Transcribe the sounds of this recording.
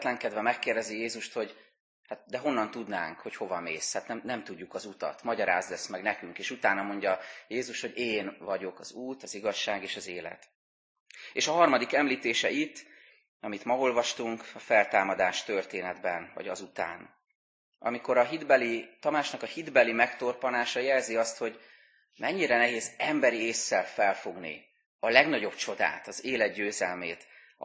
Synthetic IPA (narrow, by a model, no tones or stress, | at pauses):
t̪lɛŋkɛd̪vɛmɛkːeːrd̪ɛzijeːzuʃt̪ho̞ɟ | hat̪̚d̪ɛɦo̞nːɒnt̪ud̪na̰ːŋkho̞cho̞vɒmeːshat̪nɛmnɛmt̪uɟːukɒzut̪ɒ̰t̪mɒɟɒɾa̰ːzd̪ɛsmɛɡnɛkyŋkeːʃut̪aːnɒmo̞ɲɟɒjeːzuʃho̞ɟeːnvɒɟo̞kɒzuːt̪ɒziɡɒʃːaːɡeːʃɒzeːlɛ̰t̪ | eːʃɒɦɒrmɒd̪ikɛmliːt̪eːʃɛʔit̪ː | ɒmit̪mɒo̞lvɒʃt̪uŋkɒfɛlt̪aːmɒd̪aːʃt̪ørt̪eːnɛd̪bɛnvɒ̰ɟɒ̰zut̪a̰ːn | ʔɒ̰miko̞ɾɒɦid̪bɛlit̪ɒmaːt͡ʃnɒkɒhid̪bɛlimɛkt̪o̞rponaːʃɒjɛlziɒst̪ho̞ɟ | mʔɛɲːiɾɛnɛɦeːzɛmbɛɾieːsːɛlfɛlfo̞ɡnḭ | ɒlɛɡnɒɟo̞bt͡ʃo̞d̪a̰ːt̪ɒzeːlɛd̪ɟøːzɛlmeːt̪